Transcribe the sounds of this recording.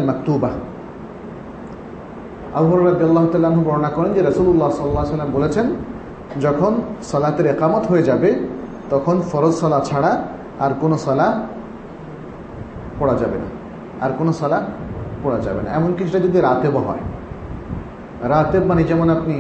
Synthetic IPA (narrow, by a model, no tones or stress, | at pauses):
lmɐk̚t̪uba | abubɔɾeɾɾɐd̪ialˠːaːɦot̪aːlaanɦoɡɔɾonakɔɾend͡ʑeɾɐsululːaɦsɔlːlːaːesalːambolet͡ɕʰen | d͡ʑɔkʰonsɔlat̪eɾeqamɔt̪ɦoed͡ʑabe | t̪ɔkʰonfɔɾod͡ʑsɔlat͡ɕʰaɽa | aɾkonosɔla | pɔɽad͡ʑabena̰ | a̰ɾkonosɔlapɔɽad͡ʑa̰bena̰ɛmonkiʃʰeʈad͡ʑɔd̪iɾat̪ebaɦɔ̰e | ɾat̪ebbaned͡ʑɛmonapni